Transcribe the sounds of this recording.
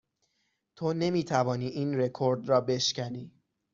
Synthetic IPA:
t̪ʰone̞miːt̪ʰævɒːniːʔiːnre̞kʰoɾd̪rɒːbe̞ʃcʰæniː

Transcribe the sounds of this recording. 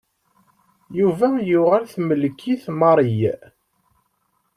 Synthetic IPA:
juvæjʊʁalθməlkʰːiθmɑɾˤij

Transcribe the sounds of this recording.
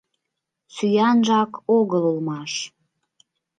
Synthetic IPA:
syjɑnʒɑkoɣəlulmɑʃ

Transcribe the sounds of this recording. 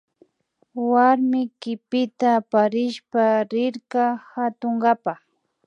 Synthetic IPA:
waɾmɪkɪpɪt̪apaɾɪʃpaɾɪɾkahat̪oŋɡapɑχ

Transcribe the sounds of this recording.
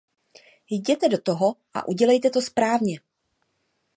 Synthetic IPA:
jɟɛt̪ɛdo̞t̪o̞ɦo̞ʔa̰ʔuɟɛlɛjt̪ɛt̪o̞spɾaːvɲɛ

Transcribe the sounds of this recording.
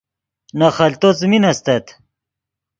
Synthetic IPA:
nɐχɐlt̪ot͡sminɐst̪ɐt̪

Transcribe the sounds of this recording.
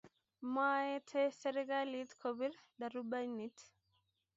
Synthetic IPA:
majɛtʰɛsɛɾɛɡalitkʰobiɾdaɾubaɲnit

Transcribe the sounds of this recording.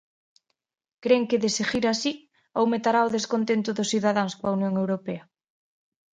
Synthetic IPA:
kɾeŋkɪðeseʝiɾasi | owmet̪aɾaoðeskont̪ent̪ʊðʊsθiðaðaŋskwɐunjoŋewɾopeɐ

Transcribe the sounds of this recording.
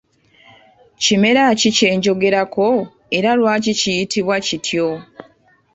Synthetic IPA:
cime̞ɾacice̞ːɲɟo̞ɡe̞ɾako̞ | e̞ɾalwaːcicijitiβwacitʰjo

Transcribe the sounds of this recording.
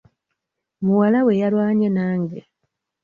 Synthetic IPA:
muwalawe̞jalwaːɲenaːŋɡe

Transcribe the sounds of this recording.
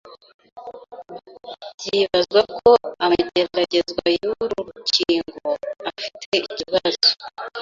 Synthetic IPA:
z̥iβazɡwakʰo̞amaɟae̞ɾaɾaɟe̞zɡwajuɾuɾuciːŋɡoafi̥tʰe̞iiciβazo̥

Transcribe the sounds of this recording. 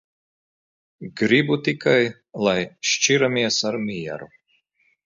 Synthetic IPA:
ɡɾibut̪ikʰaj | lˠajʃt͡ʃiɾamʲiɛsaɾmʲijɛ̰ɾu

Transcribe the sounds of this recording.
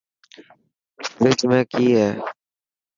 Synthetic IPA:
ʋɪt͡ʃmẽːkiːɦɛː

